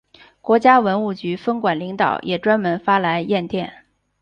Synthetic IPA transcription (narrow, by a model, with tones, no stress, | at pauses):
kwɔ˧˥t͡ɕja˥wə˧˥nu˥˩t͡ɕy˧˥fə˥nkwa˨˩nli˧˥ŋt̪ɑ̰˨˩ʊjʔɛ˨˩ʈ͡ʂwa˥nmə˧˥nfa˥la˧˥ɪjɛ˥˧nt̪jɛ˥˩n